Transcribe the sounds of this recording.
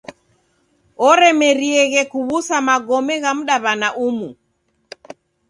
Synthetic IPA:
ɔɾɛmɛɾiɛɣɛkuβusamaɡɔmɛɣam̩ɗaβanaʔumu

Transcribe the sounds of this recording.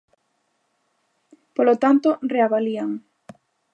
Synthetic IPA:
polot̪ant̪oreaβaliaŋ

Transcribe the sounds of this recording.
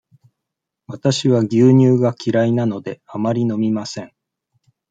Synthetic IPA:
βat̪aɕiβaɡʲɨːɲ̟ɨːɡakʲiɾainano̞d̪e̞amaɾʲino̞mʲimasẽ̞ŋ

